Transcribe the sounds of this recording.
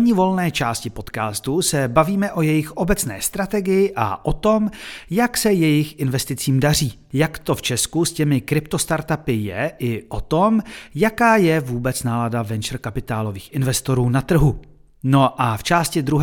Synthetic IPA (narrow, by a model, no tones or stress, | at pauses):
ɲɪvo̞lnɛːt͡ʃaːscɪpo̞t̪kaːst̪usɛbaviːmɛʔo̞jɛjɪxʔo̞bɛt͡snɛ̰ːst̪ɾat̪ɛɡɪjɪʔa̰ʔot̪o̞mjaksɛjɛjɪxɪnvɛst̪ɪt͡siːmdar̝iː | jakt̪o̞ft͡ʃɛskuscɛmɪkɾɪpt̪o̞st̪aɾt̪apɪjɛ̰ʔɪʔot̪o̞mjakaːjɛvuːbɛt͡snaːladavɛnt͡ʃɛɾ̩kapɪt̪aːlo̞viːxʔɪnvɛst̪o̞ɾuːnat̪r̩ɦu | no̞ʔaft͡ʃaːscɪd̪ɾuɦ